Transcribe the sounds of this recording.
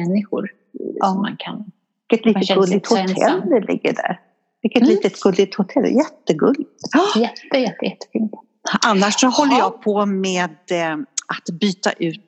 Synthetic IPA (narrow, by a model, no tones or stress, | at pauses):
ɛnːɪɧʊɾ | ma̰nkʰa̰nv | ɪkːət̪liːət̪ɡɡɵlːɪɡ̚t̪hʊt̪ʰɛ̰lːlɪ̰ɡːə̰ɖæ̰ɾ | vɪlkːət̪liːt̪ət̪ɡɵlːɪt̪hʊt̪ʰɛl̰ːjɛt̪ːəɡɵlːɪt̪ɑjɛt̪ːəjɛt̪ːəjɛt̪ːə̥fiːnt̪ | ʔanːaʂɔhɔlːəjɑːɡ̚pʰɔmeːd̪ʔat̪byːt̪a̰ʔʉ̟ːt̪